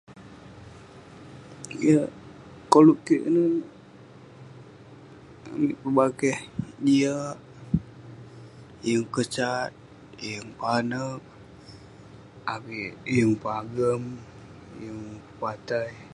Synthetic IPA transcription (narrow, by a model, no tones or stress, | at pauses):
ijəʔ | kolukiʔnə | a̰miʔpəbaɡɛhdiaʔ | jəŋkət͡ʃat̪̚ | ijəŋpanək̚ | abijəŋpaɡəm | jəŋpəpat̪aij